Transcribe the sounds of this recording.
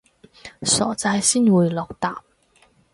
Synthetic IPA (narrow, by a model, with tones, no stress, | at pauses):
sɔ̰ː˨˩t͡sa˧jsiː˥nwuː˨jlɔː˨˩k̚t̪a̰ː˨p̚